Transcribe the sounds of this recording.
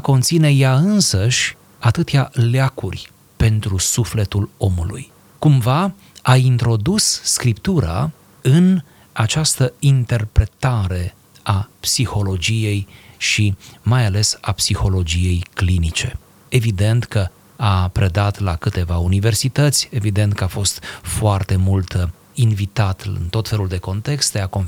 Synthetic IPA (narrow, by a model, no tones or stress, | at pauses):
ko̞nt̪sine̞jaɨnsəʃʲ | at̪ɨt̪ealeakurʲ | pe̞nt̪ɾusufle̞t̪ulo̞mulṵj | kumva | aint̪ɾo̞d̪usːkɾipt̪uɾa̰ | ɨn | at͡ʃast̪əint̪e̞rpɾe̞t̪aɾe̞ | apsixo̞lo̞d͡ʒije̞jʃimajale̞sapsixo̞lo̞d͡ʒije̞jklinit͡ʃe̞ | e̞vid̪e̞nt̪kə | apɾe̞d̪at̪lakɨt̪e̞vaunive̞rsit̪ət̪sʲe̞vid̪e̞nt̪kəafo̞st̪foart̪e̞mult̪ | invit̪at̪ɨ̰nt̪o̞t̪fe̞luld̪e̞ko̞nt̪e̞kst̪d̪eako̞n